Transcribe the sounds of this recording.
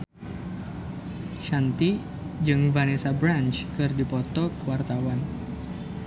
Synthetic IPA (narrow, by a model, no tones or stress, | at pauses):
ʃant̪i | d͡ʒɨŋvanesabɾant͡ʃkɨrdipɔt̪ɔkəwart̪awan